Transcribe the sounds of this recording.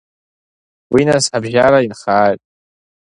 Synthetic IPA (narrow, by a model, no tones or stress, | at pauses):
winasħabʒaɾainχaːjtʼ